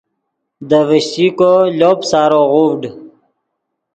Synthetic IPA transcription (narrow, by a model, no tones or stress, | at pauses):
d̪əvəɕtikoloːpsaːɾoʁuvɖ